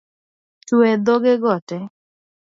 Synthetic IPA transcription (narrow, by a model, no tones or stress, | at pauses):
tuɛd̪oɡɪɡɔtɛ